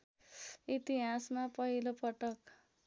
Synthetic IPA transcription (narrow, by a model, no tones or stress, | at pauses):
it̪iɦasmapʌɦilopʌʈʌk